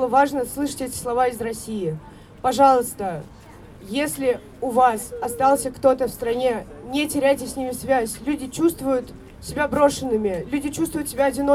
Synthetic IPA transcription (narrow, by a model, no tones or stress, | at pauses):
ɨlˠəvaʐnəslˠɨʂɨ̥tʲɛtʲɪ̥slˠɐvaɪzrɐsʲijɪ | pɐʐɑlˠəst̪ə | jesʲlʲɪ | ʊvasɐst̪ɑlˠsʲəkt̪o̞t̪əfst̪ɾɐnʲe̞ | nʲɪtʲɪɾʲæjtʲɪsʲnʲimʲɪsvʲæsʲlʲʉdʲɪt͡ɕust̪vʊjʊt̪ | sʲɪbʲabɾo̞ʂɨnːɨmʲɪlʲʉdʲɪt͡ɕust̪vʊjʊt̪sʲɪbʲaɐdʲɪno